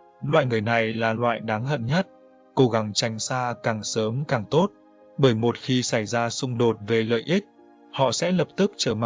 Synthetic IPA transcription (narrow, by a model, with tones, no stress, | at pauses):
lwa̰ː˧˨jŋɨ˨˩əjna˨˩jlaː˨˩lwa̰ː˧˨jɗaː˨˦ŋə̰˧˨nɲə˦˥t̚ | ko˨˦ɣa˨˦ŋt͡ɕa˨˩jŋ̟saː˧kaː˨˩ŋsəː˨˦mkaː˨˩ŋt̪o˦˥t̚ | ɓəː˧˩jmo˨˩t̚xi˧sa˧˩jzaː˧sʊ˧ŋ͡mɗo˨˩t̚ve˨˩lə̰ː˧˨jʔi˦˥t̚ | hɔ̰˧˨sɛ̰˧˥lə˨˩p̚t̪ɨ˦˥k̚t͡ɕəː˧˩ma̰ː˧˨